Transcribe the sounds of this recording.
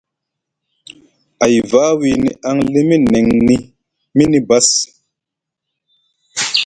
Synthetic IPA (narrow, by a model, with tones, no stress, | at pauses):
a˨jvaː˦wi˨nḭ˨ʔa˦ŋle˦mi˦ne˨ŋni˦ | mi˦ni˦ba˦s